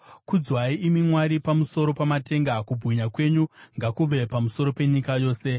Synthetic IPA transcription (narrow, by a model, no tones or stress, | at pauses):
kud͡zwaiimimwaɾipamuso̞ɾo̞pamate̞ŋɡakubʱuɲakwe̞ɲuŋɡakuʋe̞pamuso̞ɾo̞pe̞ɲikajo̞ːse̞